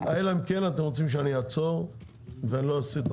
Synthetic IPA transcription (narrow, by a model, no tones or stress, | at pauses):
aelamkenat̪e̞mʁot͡simʃ̬eanijat͡soʁ | veanilo̞asit̪